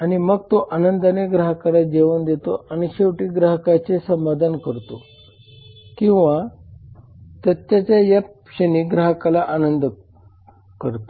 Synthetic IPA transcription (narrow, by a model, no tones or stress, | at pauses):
aɽ̃iməɡ̚t̪oʔanənd̪aneɡɾaɦəkalad͡ʑeʋənd̪et̪oaɽ̃iɕeʋʈiːɡɾaɦəkat͡sesəmad̪ʱankəɾt̪o | kĩw̃ʋa | t̪ət̪jat͡ɕjaja | ɕəniːɡɾaɦəkalaʔanənd̪ | kəɾt̪o